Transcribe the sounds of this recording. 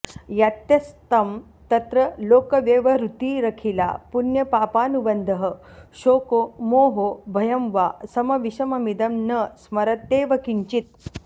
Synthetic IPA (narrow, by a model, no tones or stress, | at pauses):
jat̪jɐst̪ɐm | t̪ɐt̪ɾəloːkɐʋjeːʋɐɾut̪iːɾɐkʰila̰punjɐpaːpaːnubɐnd̪ʱəɦə̆ɕoːkomoːɦobʱɐjɐmʋasɐmɐʋiɕɐmɐmid̪ɐmnəsmɐɾɐt̪ːeːʋɐkiɲt͡ʃit̪̚